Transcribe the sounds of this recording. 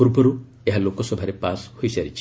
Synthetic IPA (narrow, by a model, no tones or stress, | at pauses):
ɔɾupɔɾu | eɦalokɔsɔbʱaɾepashojsaɾit͡ʃʰi